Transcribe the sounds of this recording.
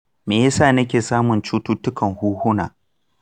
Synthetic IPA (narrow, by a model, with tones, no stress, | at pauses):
meː˨jɐ˦saː˦˨nɐ˦kʲeː˨saː˦mʊ˨nt͡ʃuː˦tuː˦tʊ˦kɐ˨ŋhuː˦hʊ˦naː˨